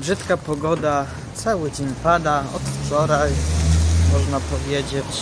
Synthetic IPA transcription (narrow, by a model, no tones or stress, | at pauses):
bʐɘt̪kapɔɡɔd̪a | t̪sawɘd͡ʑeɲpad̪aɔ̰t̪ft͡ʂɔɾaj | mɔʐnapɔvʲjed͡ʑet͡ɕ